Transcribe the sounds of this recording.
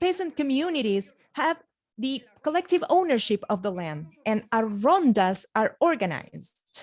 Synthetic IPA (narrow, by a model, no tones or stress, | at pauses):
peɪsə̃ntkɔmjunɪɾiz̥ | hæv | ðɨ | kəlɛk̚tɪvõʊ̃nəɹʃɪpʌvðəlæ̃ndɨ̃naɹɔ̃ndasaɹɔɹɡɨna̰ɪzd̥